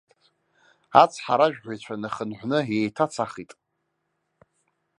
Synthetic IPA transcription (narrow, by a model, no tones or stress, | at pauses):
a̰t͡sʰħaɾaʒᶣħʷajt͡ɕʷʰanaχənħʷnɨjejtʰat͡sʰaχitʼ